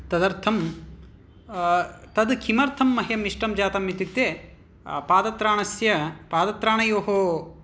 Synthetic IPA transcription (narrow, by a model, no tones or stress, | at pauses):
t̪ɐd̪ɐɾt̪ʰɐm | t̪ɐd̪kʰimɐɾt̪ʰɐmːɐɦjɐmiʂʈɐmd͡ʒaːt̪ɐmːit̪it̪jeː | paːd̪ɐt̪ɾaːɳɐsjɐpaːd̪ɐt̪ɾaːɳɐjoːɦoː